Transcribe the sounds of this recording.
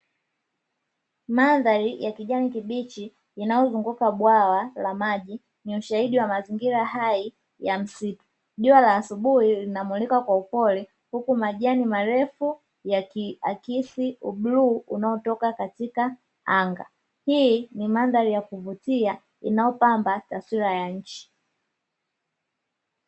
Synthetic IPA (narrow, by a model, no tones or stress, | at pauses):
manðaɾijakiʄanikiɓit͡ʃiː | najɔzuŋɡukaɓwawalamaʄi | niuʃahiɗiwamaziŋɡiɾahai | jam̩situ̥ | ʄuwalaːsuɓuhilinamulikakwaupɔlɛ | hukumaʄanimaɾɛfu | jaakisiuɓluunaɔtɔkakatika | aŋɡa̰ | hinimandaɾijakuvutia | ḭnajɔpambataswiɾajaɲ̩t͡ʃi̥